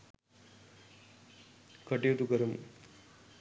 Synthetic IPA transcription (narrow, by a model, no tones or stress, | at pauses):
kɐʈːijut̪ːukɐɾum